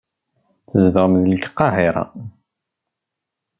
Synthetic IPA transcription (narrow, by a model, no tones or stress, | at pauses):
θəzðʁmðlɡə̥qːɑhiɾˤɑ̰